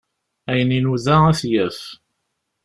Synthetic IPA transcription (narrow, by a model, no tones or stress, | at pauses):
æjəninuðææθjæf